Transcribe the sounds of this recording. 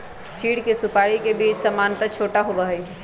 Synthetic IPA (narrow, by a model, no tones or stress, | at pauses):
t͡ʃʰiːɽkesupaɽikebiːt͡ʃsəmaːnt̪ət͡ʃʰoːʈaɦobəɦəi